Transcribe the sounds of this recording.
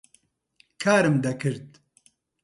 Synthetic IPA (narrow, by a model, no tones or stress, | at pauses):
kʰaːɾɨmd̪ɐkʰɨɾd̪̚